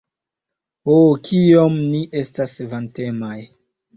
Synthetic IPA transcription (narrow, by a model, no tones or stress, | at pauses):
okʰiomniʔe̞stasvante̞maj